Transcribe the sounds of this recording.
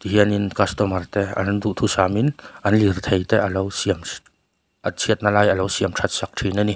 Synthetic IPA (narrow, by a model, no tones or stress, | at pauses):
t̪iɦiəninkɔst̪ɔmɐrt̪ɛa̰nnd̪uʔt̪ʰusaminʔɐnlirt̪ʰejt̪ɛʔəlɔwsiəm | ʔət͡sʰiət̪̚nalajɐlɔwsiəmʈ͡ʂʰat̪̚sak̚ʈʰinani